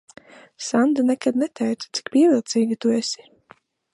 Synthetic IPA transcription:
sand̪anɛkad̪nɛt̪ʰɛjt̪ḁt̪si̥kpiɛvilˠt̪siːɡit̪uɛsi̥

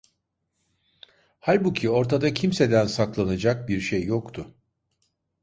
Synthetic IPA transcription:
halʲbucʰio̞ɾt̪ʰad̪acʰimse̞d̪ænsaklˠanɯd͡ʒak̚biɾʃejːokt̪ʰʊ

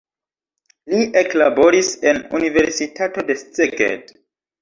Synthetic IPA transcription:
liʔeklabo̞ɾisenṵnive̞ɾsitʰato̞de̞st͡seɡḛd

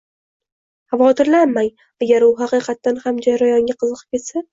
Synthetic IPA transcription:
havɒt̪ʰɪɾlanmaj | aɡʲaɾʊɦɑqɨqʰɑt̪ːanhamd͡ʒaɾajɒŋɡʲaqʰɨzɨqʰɨ̥p̚kʲe̞t̪sa

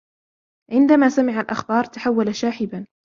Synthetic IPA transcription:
ʕɪnd̪amaːsamɪʕalʔaxbɑːɾˤt̪aħawːalaʃaːħɪban

